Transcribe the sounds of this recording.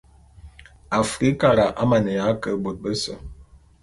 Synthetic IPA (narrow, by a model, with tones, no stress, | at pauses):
a˨fɾi˦ka˨ɾa˨ʔa˦ma˨nə˨ja˨˦kə˨bo˨t̚bə˦sə˨